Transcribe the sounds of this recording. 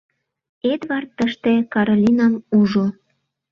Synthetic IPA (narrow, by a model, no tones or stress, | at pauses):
ed̪βɑrt̪ːəʃt̪ekɑɾolʲinɑmuʒo